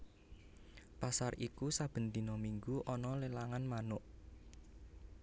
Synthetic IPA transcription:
pasarʔikusab̥ə̤nd̪i̤nɔmiŋɡuʔɔnɔlelaŋanmanʊʔ

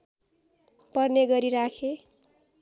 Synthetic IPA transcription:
pʌrneɡʌɾiɾakʰe

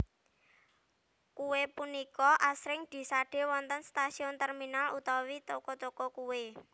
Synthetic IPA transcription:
kuwepunikɔʔasɾɪŋd̪̥i̤saɖ̥e̤wɔnt̪ənst̪asiʊnt̪ɛrminalʔṵt̪ɔwit̪okɔt̪okɔkuwe

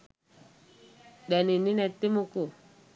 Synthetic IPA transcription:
ɗɛnininɛt̪imuko

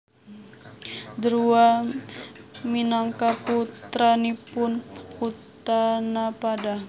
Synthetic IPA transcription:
d̪əɾua | minaŋkaput̪ɾanipʊnkut̪anapada

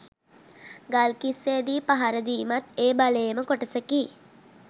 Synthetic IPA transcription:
ɡalkisːeːd̪iːpaɦaɾəd̪iːmat̪eːbalejməkoʈəsəkiː

